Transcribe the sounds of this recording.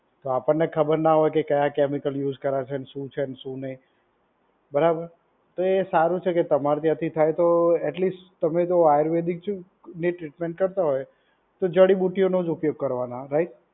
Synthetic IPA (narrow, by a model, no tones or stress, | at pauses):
t̪oapəɳːekʰəbəɾnaɦɔjkekəjakemikəljud͡ʒkəɾat͡ʃʰeneʃũt͡ʃʰenʃũnəɦĩ | bəɾabəɾ | t̪oesaɾũt͡ʃʰeket̪əmaɾt̪jãt̪ʰit̪ʰajt̪oɛʈlisʈt̪əmet̪oajəɾʋed̪ik̚ | neʈɾiʈmẽɳʈ̚kəɾt̪aɦoje | t̪od͡ʒəɽibuʈionod͡ʒupjoɡ̚kəɾʋanaɾaiʈ